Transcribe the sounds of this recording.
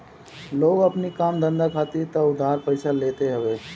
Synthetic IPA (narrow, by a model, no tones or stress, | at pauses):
loːɡɐpnikaːmd̪ə̃nd̪akʰaːt̪it̪ɐʊd̪ʱːaːɾpəɪsaleːt̪eɦɛʋeː